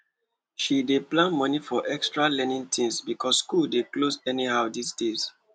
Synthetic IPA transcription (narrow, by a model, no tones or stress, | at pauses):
ʃideplãnmɔnifɔʔɛkstɹalɛnĩŋtʰĩŋsbikʰɔsːkuldeklosɛnihaʊdisdez